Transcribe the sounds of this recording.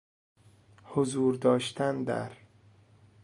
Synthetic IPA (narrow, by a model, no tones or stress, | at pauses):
hozuːɾd̪ɒːʃt̪ʰænd̪æ̰ɾ